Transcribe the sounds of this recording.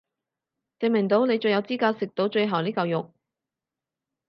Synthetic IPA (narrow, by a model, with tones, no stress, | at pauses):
t͡sɪ˨ŋmɪ˨˩ŋt̪o˨˥wne˨˧jt͡ʃɵ˧jɐ˨˧wt͡siː˥kaː˧wsɪ˨k̚t̪o˨˧wt͡ʃɵ˧ɥɦɐ˨˩wniː˥kɐ˧wjʊ˨k̚